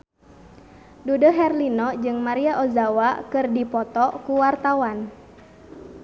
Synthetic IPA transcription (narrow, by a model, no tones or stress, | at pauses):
dudɔɦɛrlinɔd͡ʒɨŋmaɾiaʔɔzawakɨrdipɔt̪ɔkuwart̪awan